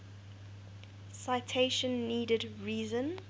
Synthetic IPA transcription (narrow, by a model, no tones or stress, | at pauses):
saɪtʰeɪʃə̃nːiːdədɹiːzə̃n